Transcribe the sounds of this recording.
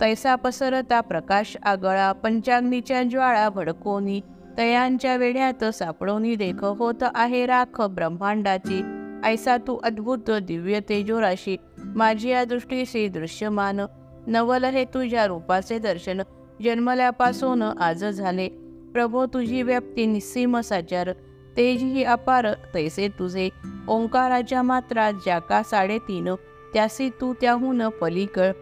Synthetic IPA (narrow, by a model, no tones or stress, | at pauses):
t̪əjsapəsəɾt̪apɾəkaɕaɡɭapəɲt͡ɕaɡnit͡ɕjad͡ʑʋaɭabʱəɽkoni | t̪əjãɲt͡ɕjaʋeɭjãt̪sapɽənid̪ekʰəɦot̪ʔaɦeɾakʰəbɾəmbãɳɖat͡ɕiəjsat̪uʔəd̪bʱut̪əd̪iʋjət̪ed͡ʑoɾaɕi | mad͡ʑʱijad̪ɾuʂʈisid̪ɾuɕjəman | nəʋələɦet̪ud͡ʑjaɾupat͡sed̪əɾɕən | d͡ʑənməljapasonʔad͡zəd͡zʱale | pɾəbʱot̪ud͡ʑʱiʋjəp̚t̪inisiməsat͡ɕaɾ | t̪ed͡ʑiɦiapaɾt̪əjset̪ud͡zʱeõŋkaɾad͡ʑamat̪ɾat͡sd͡ʑakasaɽet̪inə | t̪jasit̪ut̪jaɦunəpəlikəɭ